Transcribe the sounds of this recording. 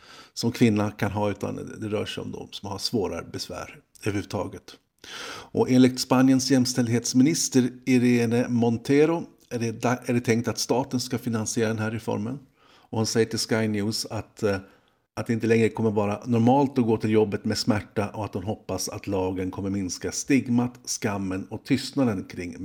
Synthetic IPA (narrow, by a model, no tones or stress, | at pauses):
sɔmkʰvɪnːakʰanɦɑːʉ̟ːt̪ʰa̰nd̪ɛɾœ̰ːʂɛɔ̰md̪ɔ̰msɔmhasvoːɾa̰bɛsvæ̰ːɾ | øvəɾhʉ̟vət̪ʰɑ̰ːɡət̪ | ʔɔʔeːnlɪk̚t̪spanjənsjɛmst̪ɛld̪heːt̪smɪnɪst̪əɾɪɾeːnəmɔnt̪ʰeɾʊ | æɖɛt̪ʰɛŋk̚t̪at̪st̪ɑːt̪ənskafɪnansɪjeːɾad̪ɛnɦæːɾɛfɔ̰ɾmə̰n | ɔhansɛjːəʈʰɪlskajnjʉ̟ːsat̪ | ʔat̪d̪ɛɪnt̪əlɛŋɾəkʰɔmːəɾvɑːɾanɔɾmɑːlt̪ɔɡoːt̪ʰɪljɔbːət̪mɛsmæʈːaʔɔat̪̚d̪ʊnɦɔpːasa̰t̪lɑːɡənkʰɔmːəɾmɪnskast̪ɪɡmat̪skamːənɔt̪ʰʏst̪nad̪ənkʰɾɪŋː